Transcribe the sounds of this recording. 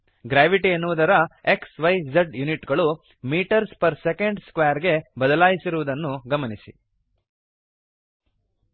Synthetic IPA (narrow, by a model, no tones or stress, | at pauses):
ɡɾaːʋiʈiɐnːuʋːd̪ɐɾɐeksʋɐjd͡ʒeɖjuniʈɡɐɭu | miːʈɐɾspɐɾsekeɳɖskʋeːɐɾɡe̞bɐd̪ɐlaːjisiɾuʋud̪ɐnːuɡɐmɐnisḭ